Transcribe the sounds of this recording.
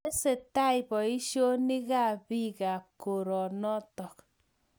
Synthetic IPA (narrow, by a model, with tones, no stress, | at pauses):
e˦se˨ta˦jbɔ˨i˦ʃjo˦ni˦ɣa˦˨bi˦ka˨p̚ko˨ɾɔ˨nɔ˦tɔ˨k